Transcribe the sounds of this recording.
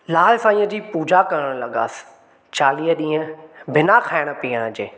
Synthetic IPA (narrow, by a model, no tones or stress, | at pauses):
laːlsãːĩːə̃d͡ʑiːpuːd͡ʑakəɾəɽ̃lɐɠa̰ːs | t͡ɕaːliːəɗĩːə̃bɪnakʰaːɪɽ̃əpiːəɽ̃əd͡ʑeː